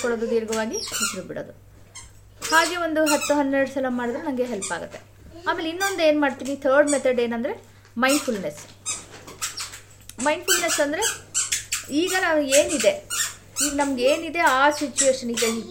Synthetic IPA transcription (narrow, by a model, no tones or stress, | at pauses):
kɔɽoːd̪ud̪iːɾɐɡɐʋaːɡiisiɾubiɽoːd̪u | haːɡe̞ːʋo̞nd̪uɦɐt̪ːuɦɐnːɛɾɐɽusɐlɐmaːɽid̪ɾnɐmɡeɦelpa̰ːɡut̪ːe̞ | aːmelinːo̞nd̪e̞ːnmaːɖt̪iːnit̪ʰɐɾɖmet̪ʰɐɖeːnɐnd̪ɐɾe̞ | mɐjɳpʰulnes | mɐjnɖpʰulnesɐnd̪ɐɾe̞ | iːɡɐnaːnueːnid̪e | iːɡɐnɐmɐɡeːnid̪e̞aːsit͡ʃːueːʂɐnid̪ei